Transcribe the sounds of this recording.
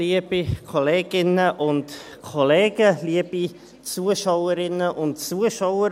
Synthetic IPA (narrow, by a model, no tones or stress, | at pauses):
liəb̥ikʰoleːɡ̥ɪnəʔʊnt | kʰoleːɡ̥əliəb̥i | t͡suːəʃawəɾɪnəʔʊntt͡suəʃaʊə